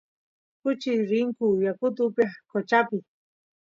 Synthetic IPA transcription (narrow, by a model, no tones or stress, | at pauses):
kʊt͡ʃiɾiŋkujakʊt̪̬ʊpjakot͡ʃapɪ